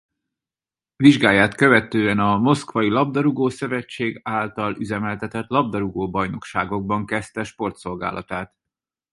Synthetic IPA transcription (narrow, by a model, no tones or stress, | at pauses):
viʒɡaːjːaːt̪kø̞vɛt̪øːɛnɒmo̞skʋɒilɒb̚d̪ɒɾuɡoːsøvɛt͡ʃːeːɡaːlt̪ɒlyzɛmɛlt̪ɛt̪ɛt̪lɒb̚d̪ɒɾuɡoːbɒjno̞kʃaːɡo̞ɡ̚bɒŋkɛst̪ɛʃpo̞rt̪so̞lɡa̰ːlʔɒt̪aːt̪